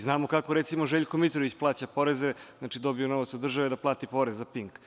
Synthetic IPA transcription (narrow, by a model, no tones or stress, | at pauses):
znaːmokako̞ɾet̪simoʒeʎkomit̪ɾoʋit͡ɕplˠaːt͡ɕapo̞ɾezezaːt͡ʃid̪o̞biono̞ʋat̪sod̪ːr̩ʒaʋed̪aplˠaːt̪ipo̞ɾezːapiŋk